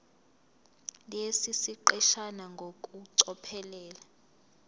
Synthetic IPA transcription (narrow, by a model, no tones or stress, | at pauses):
lesisiǃɛʃanaŋɡʱokʼuǀɔpʰɛlɛːla